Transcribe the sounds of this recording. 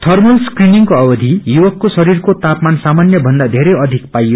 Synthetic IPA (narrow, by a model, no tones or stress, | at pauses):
t̪ʰʌrmʌlskriniŋkoʌbʌd̪ʱijuwʌkːosʌɾirkot̪apmansamanjʌbʱʌnd̪ad̪ʱeɾʌjʌd̪ʱikpajo